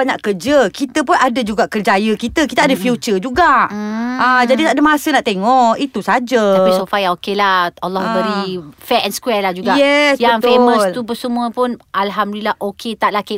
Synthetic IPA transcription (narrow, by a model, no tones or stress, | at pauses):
baɲaʔkərd͡ʒəkit̪əpʊnadəd͡ʒuɡaʔkərd͡ʒajəkit̪əkit̪aadəfjut͡ʃəd͡ʒuɡaʔəd͡ʒadit̪aʔdəamasənaʔt̪eŋɔʔit̪usad͡ʒəaisofajãokelahalːɔhɛɾifɛɛnskwɛlahd͡ʒuɡajɛsjaəŋt̪femə̃slubəsəmũəpʊnʔalɦamdlilahʔokʰet̪aʔlake